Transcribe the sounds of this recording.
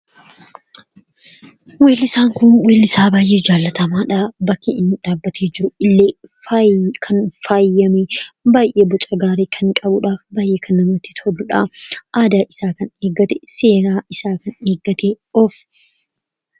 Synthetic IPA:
we̞ːlɪsaːŋkʊnweːlɪsaːbaːjʔe̞ːd͡ʒaːlːɐt̪ɐmaːᶑɐbɐkʰːɪɪnːᶑaːbːɐt̪ʰeːd͡ʒɪɾʊɪlːeː | kʰɐnfaːjːɐmebaːjʔe̞ːbɔt͡ʃʼɐɡaːɾeːkʰɐŋkʼɐbʊᶑaːfbaːjʔeːkʰɐnːɐmɐt̪ːɪ̥t̪ɔlːʊᶑaʔaːd̪aːʔɪsaːkɐneːɡːɐt̪ɛ̥se̞ːɾaːʔɪsaːkɐne̞ːɡɐt̪e | ɔːf

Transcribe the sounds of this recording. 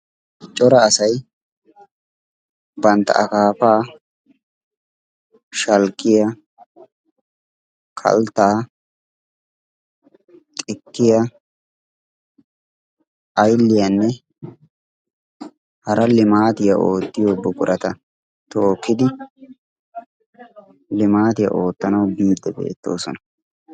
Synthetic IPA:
t͡ʃʼɔɾɐːsɐj | bɐnt̪ːɐ̰ʔɐ̰kaːpaː | ʃɐlkʼːɪjɐ | kʰɐ̰lt̪ːaː | t̪ʼɪkːɪjɐ | ɐjlːɪjɐnːɛ | hɐɾɐlɪmaːt̪ɪjɐʔoːt̪ːɪjoːbʊkʼʊɾʔɐt̪ɐ | t̪o̞ːkːɪd̪ɪ | lɪmaːt̪ɪjɐ̰ʔo̞ːt̪ːɐnɐwbiːd̪ːɛbe̞̰ːt̪ːo̞ːsɔnɐ̥

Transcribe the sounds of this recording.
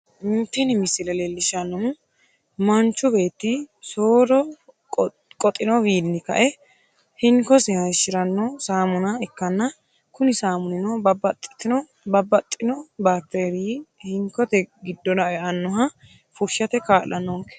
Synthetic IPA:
ɪnt̪ːɛnɪmɪsɪlɛlelːɪʃɐnːɔhʊ | mɐnt͡ʃːʊbe̞ːt̪ːisoːɾɔ | kʼɔt̪ʼːɪnɔwiːnːɪkɐ̰ʔɛ | hɪŋkɔsɛhɐʃɪɾɐnːɔsaːmʊnɐɛkːɐnːɐ | kʊnɪsaːmʊnɪnɔbɐbɐt̪ʼːɪt̪ːɪnɔ | bɐbːɐt̪ʼːɪnɔbaːt̪ːeːɾihɪŋkɔt̪ɛɡɪd̪ːɔnɐʔɛɐnːɔɦɐ | fʊɾʃɐt̪ɛkaːlʔɐnːɔŋkɛ̥

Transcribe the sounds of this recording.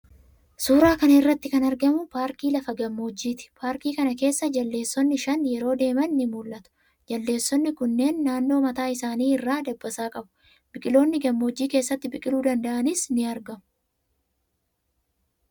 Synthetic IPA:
suːɾaːkɐnɪrːɐt̪ːɪkɐnɐɾɡɐmʊpaːɾkiːlɐfɐɡɐmːo̞ːd͡ʒːiːt̪ɪ̥pʰaːɾkiːkɐnɐke̞ːsːɐd͡ʒɐlːe̞ːsːɔnːɪʃɐnjɛɾo̞ːd̪e̞ːmɐnːɪmuːlʔɐt̪ʊ̥ | d͡ʒɐlːe̞ːsːɔnːɪkʊnːe̞ːnːaːnːo̞ːmɐt̪aːɪsaːniːɪrːaːd̪ɐbːɐsaːkʼɐbʊ̥ | bɪkʼɪlo̞ːnːɪɡɐmːo̞ːd͡ʒːiːkeːsːɐt̪ːɪbɪkʼɪluːd̪ɐnd̪ɐʔɐnɪsnɪɐɾɡɐmʊ̥

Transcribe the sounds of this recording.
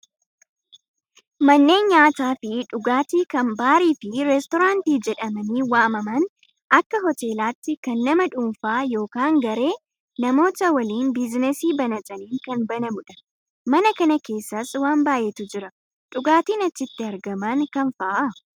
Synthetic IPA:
mɐnːe̞ːnɲaːt̪aːfɪᶑʊɡaːt̪iːkɐmbaːɾiːfɪɾɛst̪ɔɾaːnt̪iːd͡ʒɛᶑɐmɐniːwaːmɐmɐn | ɐkːɐɦɔt̪e̞ːlaːt̪ːɪkɐnːɐmɐᶑuːmfaːjo̞ːkaːŋɡɐɾe̞ː | nɐmo̞ːt̪ɐwɐliːnbɪznɛsiːbɐnɐt͡ʃʼɐniːŋkɐnbɐnɐmʊᶑɐ̥ | mɐnɐkɐnɐke̞ːsːɐswaːmbaːjɛt̪ʊd͡ʒɪɾɐ | ᶑʊɡaːt̪iːnɐt͡ʃːɪt̪ːɪɐɾɡɐmɐŋkɐnfɐʔa

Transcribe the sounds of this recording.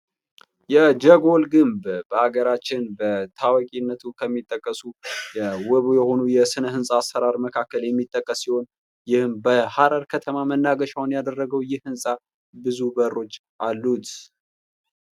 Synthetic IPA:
jɛd͡ʒəɡo̞lɡɨmbbəaɡəɾat͡ʃːɪnbət̪ʰawɔkʼinːət̪ʰukʰəmːit̪ʼːəkʼːəsujɛwɔβjɛho̞nujɛsɨnəɦɨnsʼaasfəɾaɾməkʰakːəljɛmːit̪ʼːəkʼːəsːiho̞n | jɪhɨmbəhaɾəɾkʰət̪ʰəmamənːaɡəʃawnjad̪ərːəɡəwjɪhːɨnsʼa | bɨzubərːo̞t͡ʃː | ʔalːut̪ʰ

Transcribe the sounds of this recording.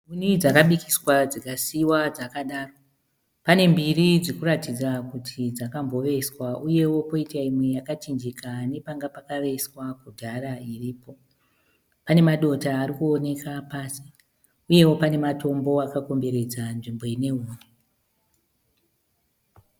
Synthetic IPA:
unid͡zakaɓikʰiswad͡zikasiwad͡zakaɗaːro̞ | pane̞mbirid͡zikuɾatid͡zakutʰid͡zakambo̞ʋe̞swauje̞wo̞po̞itaimwe̞jakat͡ʃind͡ʒikane̞paŋɡapakaʋe̞swakudʱaɾairiːpo̞ | pane̞maɗo̞taːɾikuo̞ne̞kapaːsi | uje̞wo̞pane̞mato̞mbo̞akako̞mbe̞ɾe̞d͡zanʐimbo̞ine̞uːme

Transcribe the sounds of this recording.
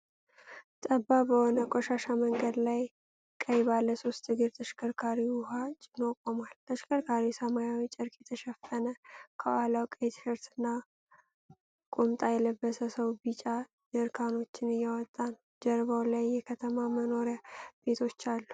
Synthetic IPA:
t̪ʼəbːabəhonəkʼoʃaʃaməŋɡəd̪laj | kʼəjbalːəso̞st̪ʰːɨɡɨɾt̪ʰəʃkʰəɾkʰaɾiʊɦat͡ʃʼnokʼːomalt̪ʰəʃkʰəɾkʰaɾisəmajawit͡ʃʼɪɾkʼjɛt̪ʰəʃɛfːənəkʰəwalawkʼəjt̪ʰɨhɨɾt̪ʰɨnːa | kʼumt̪ʼajɛləbːəsəsəwbit͡ʃʼa | dɨɾkʰano̞t͡ʃːɪnɨjːɛwɔt̪ʼːanə | d͡ʒɛɾβawlajːɛkʰət̪ʰəmaməno̞ɾjab̥e̞t̪ʰo̞t͡ʃːalːu

